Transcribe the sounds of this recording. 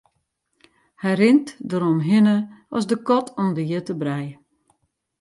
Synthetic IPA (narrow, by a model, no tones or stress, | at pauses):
hɛjrɪntdəɾɔmɦɪnəɔ̰sdəkɔtʰɔmdəjətəbrɛj